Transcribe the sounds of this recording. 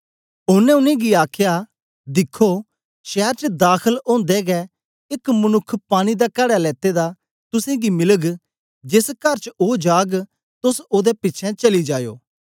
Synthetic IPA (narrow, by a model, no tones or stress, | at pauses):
ʊnːɛ̃ʊnẽɡiaːkʰja | d̪ɪkʰːo | ʃɛːɾt͡ʃəd̪aːkʰəlõːnd̪ɛɡɛ | ɪkmənʊkʰːpaːɽ̃id̪akɐɽalɛːt̪ed̪a | t̪ʊsẽɡimɪləɡ | d͡ʒɪskɐɾt͡ʃoːd͡ʒaːɡ | t̪ʊsoːd̪ɛpɪtːt͡ʃʰɛ̃t͡ʃɐlid͡ʒaːjo̰ː